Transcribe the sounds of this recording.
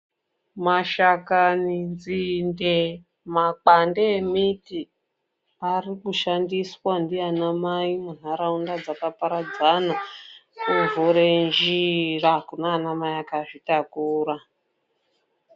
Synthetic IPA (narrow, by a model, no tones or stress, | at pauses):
maʃakanind͡zinde | mak͡pandeːmiti | arikuʃandiswandianamaimun̤aɾaundad͡zakapaɾad͡zanakuɱvuɾend͡ʒirakunaːnamajakaʐitakuːra